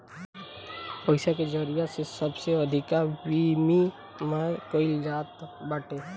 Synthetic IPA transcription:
pəɪsaked͡ʒəɾiasesɐbseəd̪ʱɪkabiːmi | makoɪld͡ʒaːt̪baːʈeː

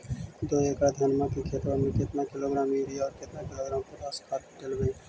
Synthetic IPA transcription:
d̪oːeːkaːd̪ʱjaːnmãːkikʰeːt̪ʋãmẽkɪt̪nakɪloːɡɾaːmiːɾiːɔːɾkɪt̪naːkɪloːɡɾaːmpəɾaːskʰaːt̪ːʈelbəĩː

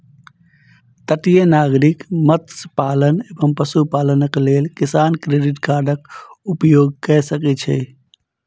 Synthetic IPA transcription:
t̪əʈijenaɡɾikmət̪səpalənebəmpəsupalənəklelkisankɾeɖiʈkaɾɖəkupjoɡ̚kəsəkɛt͡ʃʰɛ̰

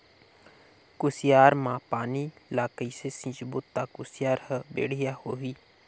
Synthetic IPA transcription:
kʊsɪjaːɾmãːpaːniːlaːkəiːsesĩd͡ʒbʊt̪ːaːkʊsɪjaːɾhəbḛːɽ̤ijaːhoːɦiː

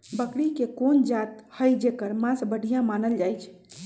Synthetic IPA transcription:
bəkɽikekond͡ʒat̪həjd͡ʒekəɾmãsbəɽ̤ʱijãmanəld͡ʒajt͡ʃʰ

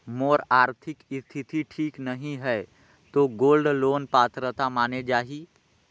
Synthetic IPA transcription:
moːɾaːɾt̪ʰɪkɪst̪ʰɪt̪ʰiʈʰiːknəɦĩɦɛː | t̪oːɡoːlɖloːnpaːt̪ɾət̪amaːned͡ʒaːɦi

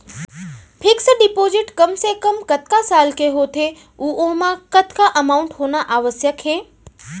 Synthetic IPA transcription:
pʰɪksɖɪpoːzɪʈkəmsekəmkɐt̪̚ʰkasaːlkeɦoːt̪ʰe | uːʔomãkət̪ʰkaʔɐmaʊɳʈɦoːnaʔaːʋəsjəkɦeː

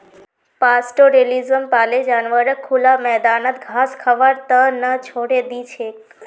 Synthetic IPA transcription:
pasʈoɾelizəmpaled͡ʒanʋəɾəkʰːulamɛd̪anət̪ɡʱaskʰəʋəɾt̪ənət͡ʃʰoɽed̪it͡ʃʰe

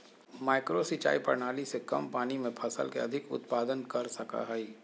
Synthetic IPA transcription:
maːɪkɾosit͡ʃa̰ːipɐ̰ɾnaːlisekɐ̰mpaːnimẽpʰɐsə̰lkeɐd̪ʱɪkʊ̰t̪paːd̪ənkɐɾsɐka̰ɦɛi

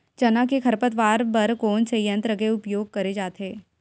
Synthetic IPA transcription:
d͡ʒɐnakekʰɐɾpət̪ʋaːɾbɐɾkoːnsejə̃nt̪ɾəɡeʊpjoːɡ̚kɐɾed͡ʒaːt̪ɦeː

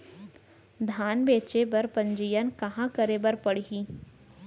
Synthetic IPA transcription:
d̪ʱaːnbeːt͡ʃebɐɾpɐ̃ɲd͡ʒijənkɐɦãkəɾebəɾpɐɽiɦiː

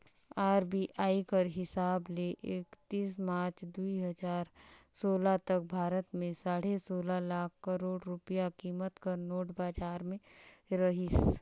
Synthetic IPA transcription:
aːɾbiʔaːikəɾɦɪsaːbleʔeːkt̪iːsmaːɾt͡ʃd̪uiɦəd͡ʒaːɾsoːlat̪ɐk̚bʱaːɾət̪mẽsaːɽesoːlalaːkʰːəɾoːɽɾʊpijakiːmət̪kəɾnoːʈbaːd͡ʒaːɾmẽ | ɾɐɦis

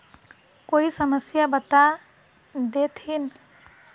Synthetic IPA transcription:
koisəməsjabət̪a | d̪et̪ʰin

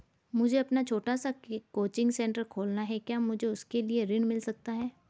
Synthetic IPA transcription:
mʊd͡ʒʱeɐpnat͡ʃʰoːʈasakekoːt͡ʃɪ̃ŋɡsɛ̃ːɳʈəɾkʰoːlnaɦɛkjaːmʊd͡ʒʱeʊskelieɾɪ̃ɳmɪlsɐk̚t̪aɦɛː

